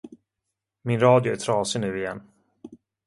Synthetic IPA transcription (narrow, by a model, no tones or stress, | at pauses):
mɪnɾɑːd̪jʊæʈʰɾɑːsɪnʉ̟ːɪjɛnː